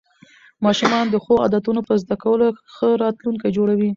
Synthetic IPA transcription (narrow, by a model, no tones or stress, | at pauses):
mɑʃumɑnd̪əxoɑ̰d̪at̪unopəɾzd̪akawəloxəɾɑt̪luŋkajd͡ʒoɽawi